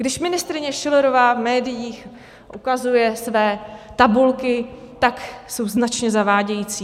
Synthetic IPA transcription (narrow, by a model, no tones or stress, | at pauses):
ɡdɪʃvmɪnɪst̪ɾɪɲɛʃɪloɾovaːvmɛːdɪjiːx | ʔukazujɛsvɛːt̪abulkɪ | t̪akso̞wznat͡ʃɲɛzavaːɟɛjiːt͡siː